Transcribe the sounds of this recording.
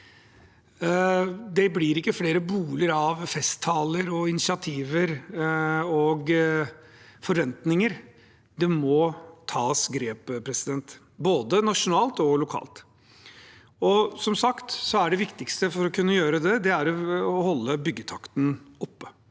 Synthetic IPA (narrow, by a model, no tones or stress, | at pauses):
d̪ɛblɪɾɪkːəfleːɾəbuːləɾɑʋfɛst̪ʰːɑːləɾɔɪnɪsɪɑt̪ʰiːʋəɾ | ɔɡ | fɔɾʋɛnt̪nɪŋəɾ | d̪ɛmɔt̪ʰɑːsɡɾeːppʰɾɛsɪd̪ɛnt̪ | boːd̪ənɑʂʊnɑːlt̪ɔlʊkʰɑ̰ːlt̪ | ɔsɔmsɑkt̪sɔæɖɛʋɪkt̪ɪkst̪əfɔɾɔkʰʉnːəjøːɾəd̪ɛd̪ɛæɾɔɔhɔlːəbʏɡːət̪ʰɑkt̪n̩ɔpːə̥